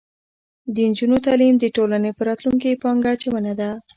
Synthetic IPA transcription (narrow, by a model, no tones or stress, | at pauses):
d̪ənd͡ʒunot̪alimd̪əʈolanepəɾɑt̪luŋkipɑŋɡat͡ʃemənad̪a